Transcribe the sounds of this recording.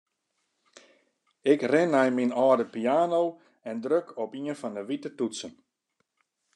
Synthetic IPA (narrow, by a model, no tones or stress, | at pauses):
ɪkrɪnːɛjminɔːdəpijaːnow | ɛndrøkʰɔpiənfɔndəʋitətutsən